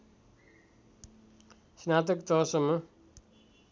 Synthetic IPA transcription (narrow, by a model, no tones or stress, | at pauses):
snat̪̬ʌkt̪ʌɦʌsʌmːʌ